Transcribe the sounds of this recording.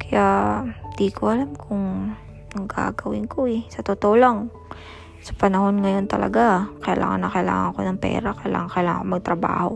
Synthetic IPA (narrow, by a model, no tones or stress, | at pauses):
kɐjaɪd̪ikʰoʔɐlamkʰʊŋ | nɐŋɡa̰ːɡɐwɪŋko̞ɛsɐt̪ot̪oʔolaŋ | sɐ̥pɐnɐho̞nŋɐjo̞nt̪ɐlɐ̰ɡakɐjɐlʔa̰ːŋɐ̰nɐkɐjɪla̰ːŋɐ̰ŋkonɐŋpɛ̰ːɾakɐjla̰ːŋɐŋkɐjlaːŋa̰komɐɡ̚t̪ɾɐba̰ːho̞̰